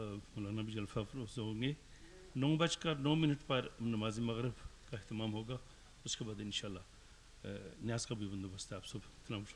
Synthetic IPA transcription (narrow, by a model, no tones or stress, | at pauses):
mʊlaːnabid͡ʒɐlfafɾozɦõːŋɡe | noũbɐt͡ʃkɐnoːmɪnəʈpɐɾnɐmaːzimɐɣɾɪbkaɪht̪ɪmaːmɦoːɡaː | ʊskebaːd̪ɪnʃaːlːaː | njaːzkabʱiʋɐ̃nd̪obɐst̪aaːpsɐbt̪ɪlaːmʃ